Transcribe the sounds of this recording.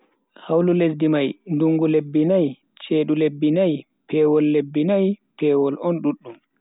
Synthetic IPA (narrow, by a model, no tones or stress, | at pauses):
hawlules̬dimajnduŋɡulebːinaj | t͡ʃeːɗulebːinaj | pɛːwɔlːebːinajpɛːwɔlʔɔnɗuɗːum